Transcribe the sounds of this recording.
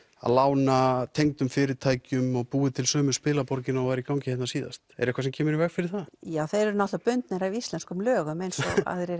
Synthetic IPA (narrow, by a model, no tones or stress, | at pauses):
a̰ðlaːwnat̪ʰejŋt̪ʏmfɪːɾɪɾt̪ʰaːjcʏmɔɣpuːɪt̪ʰɪlsœːmʏspɪːlapɔɾcɪnaɔvaːɾikawcɪhɛt̪nasiːða̰st̪ɛ̰ɾɛhkvasɛmcʰɛːmʏɾivɛɣfɪɾɪɾ̥θajaːwθejɾɛɾʏnat̪lapʏnt̪nɛɾaist̪ɛnskʏmlœːɣʏmejnsɔa̰ðɾej